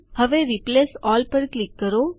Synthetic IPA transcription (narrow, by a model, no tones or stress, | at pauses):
hɐʋeːɾɪpleːsɔːlpɐɾklɪkːɐɾõː